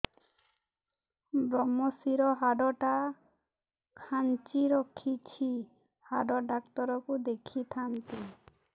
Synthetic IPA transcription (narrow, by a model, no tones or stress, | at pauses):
bɾɔmɔsiɾɔɦaɖɔʈa | kʰant͡ʃiɾɔkʰit͡ʃʰi | haɖɔɖak̚t̪ɔɾɔkud̪ekʰit̪ʰant̪e